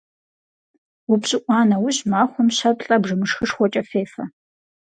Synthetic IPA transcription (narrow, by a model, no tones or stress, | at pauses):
wʊpɕʼɪʔʷʼɑːnɐwʊʑmaːχʷɔmɕɐpɬʼɐbʐɨmɨʂxɨʂχʷɔt͡ʃʼɐfeːfɐ